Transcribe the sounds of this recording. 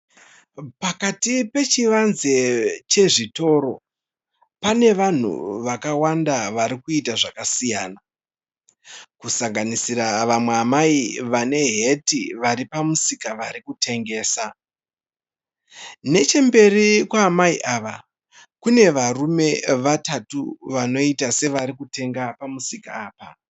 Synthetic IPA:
pakatipe̞t͡ʃiʋanzet͡ʃe̞ʐito̞ːɾo̞ | pane̞ʋan̤ṵʋakawandaʋaɾikuitaʐakasijaːna | kusaŋɡanisiraʋamweamaiʋane̞ɦe̞tiʋaɾipamusikaʋaɾikutʰe̞ŋɡe̞ːsa | ne̞t͡ʃe̞mbe̞rikwaːmaiʔaːʋa | kune̞ʋarume̞ʋatatuʋano̞itase̞ʋaɾikute̞ŋɡapamusikaːpa

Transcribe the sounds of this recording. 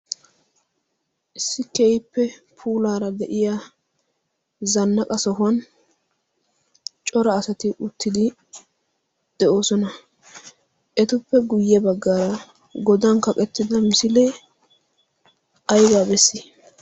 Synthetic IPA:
ʔɪsːɪkɛjɪpːɛ | pʰuːlaːɾɐd̪ɛʔɪja | zɐnːɐkʼɐsɔɦɐn | t͡ʃʼɔɾɐːsɐt̪ɪʔʊt̪ːɪd̪ɪ | d̪̥ɛʔo̞ːsɔnɐ | ʔɛt̪ʊpːɛɡʊjːɛbɐɡːaːɾɐ | ɡɔd̪ɐnkɐkʼɛt̪ːɪd̪ɐmɪsɪlɛ | ɐjbaːbɛsːɪ

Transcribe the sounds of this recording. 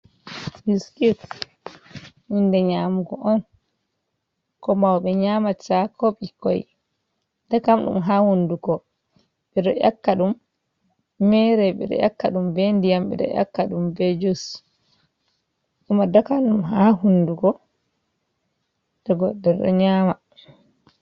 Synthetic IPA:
diskut | mindɛɲaːmuɡɔʔɔn | kɔmawɓɛɲamasakoɓikɔj | d̥akamɗṵmɦahundukɔ | ɓɛɗɔʔjakːaɗumː | ɛɾɛɓɛ̰ɗɔ̰jakːaɗumbendijamɓɛ̰ɗɔ̰ja̰kːaɗumbɛd͡ʒus | ɗimadakamɗumɦahundukɔ | d̥ɔɡɔɗːɛɗɔ̰ɲama

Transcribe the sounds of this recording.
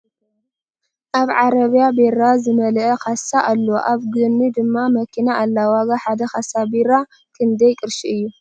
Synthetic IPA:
ʔaβʕaɾɐβijabeɾazɨmɐlʔɐkʰasaʔalːo̰ʔaβɡɨnːid̪ɨmːamɐkʰinaʔːlːawaɡaħad̪ɐxasabiɾa | kʰɨnd̪ɐjkʼɨɾʃiɨjːu

